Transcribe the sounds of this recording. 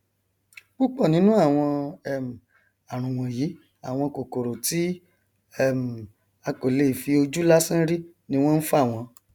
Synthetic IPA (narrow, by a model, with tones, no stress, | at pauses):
k͡pu˦k͡pɔ˦˨nĩ˦nũ˦a˦˨w̃ɔ̃˧˦˨m̩˨ | a˨ɾ̃ũ˨w̃ɔ̃˨jiː˨˦ | a˦˨w̃ɔ̃˧ko˨ko˨ɾo˨ti˨˦ | ɛ˦˨m˨ | a˧ko˨le˨˦i˨fi˧o˧d͡ʒu˦la˦sĩ˦ɾi˦ | nĩ˧w̃ɔ̃˦n̩˦fa˦˨w̃ɔ̃˧